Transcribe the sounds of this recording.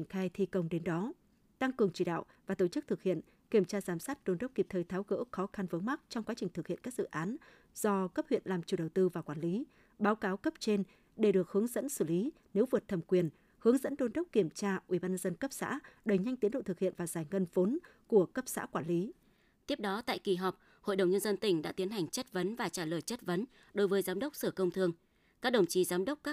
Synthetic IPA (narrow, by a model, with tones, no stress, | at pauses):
nxaː˧jt̪ʰi˧kə˧wŋ͡mɗe˨˦nɗɔ˨˦ | t̪a˧ŋkɨ˨˩əŋt͡ɕi˧˩ɗa̰ː˧˨wvaː˨˩t̪o˧˩t͡ɕɨ˦˥k̚t̪ʰɨ˨˩k̚hḭ˧˨ən | ki˧˩əmt͡ɕaː˧zaː˨˩msaː˦˥t̚ɗo˧nɗə˦˥k͡p̚ki˨˩p̚t̪ʰəː˧˩jt̪ʰaː˨˦wɣə̰ː˧˥xɔ˨˦xa˧nvə˨˦ma˦˥k̚t͡ɕɔ˧wŋ͡mkwaː˨˦t͡ɕï˨˩ŋ̟t̪ʰɨ˨˩k̚hḭ˧˨ənkːa˦˥k̚zɨ̰˧˨ʔaː˨˦n | z̥ɔ˧kə˦˥p̚hwḭ˧˨ənlaː˨˩mt͡ɕu˨˧˩ɗə˨˩wt̪ɨ˧vaː˨˩kwaː˧˩nli˨˦ | ɓaː˨˦wkaː˨˦wkə˦˥p̚t͡ɕe˧n | ɗe˧˩ɗɨ˨˩ək̚hɨ˨˦əŋzə̰˧˥nsɨ˧˩li˨˦ | ne˨˦wvɨ˨˩ət̚t̪ʰə˨˩mkwi˨˩ən | hɨ˨˦əŋzə̰˧˥nɗo˧nɗə˦˥k͡p̚ki˧˩əmt͡ɕaː˧ʔwḭ˧˩ɓaː˧nɲə˧nzə˧nkə˦˥p̚sa̰ː˧˥ɗə˨˩jɲa˧jŋ̟t̪i˨˦ənɗo̰˧˨t̪ɨ˨˩k̚hḭ˧˨ənvaː˨˩zaː˧˩jŋə˧nvo˨˦nku˧˩əkə˦˥p̚sa̰ː˧˥kwaː˧˩nli˨˦ | t̪i˦˥əp̚ɗɔ˨˦t̪a̰ː˧˨jki˨˩ɦɔ˨˩wk͡p̚ | ho̰˧˨jɗə˨˩wŋ͡mɲə˧nzə˧nt̪ï˧˩ŋ̟ɗa̰ː˧˥t̪i˨˦ənɦa˨˩jŋ̟t͡ɕə˦˥t̚və˨˦nvaː˨˩t͡ɕaː˧˩ləː˨˩jt͡ɕə˦˥t̚və˨˦n | ɗo˨˦jvəː˨˦jzaː˨˦mɗə˦˥k͡p̚sɨ˧˩kə˧wŋ͡mt̪ʰɨ˧əŋ | kaː˦˥k̚ɗə˨˩wŋ͡mt͡ɕi˨˦zaː˨˦mɗə˦˥wk͡p̚kaː˦˥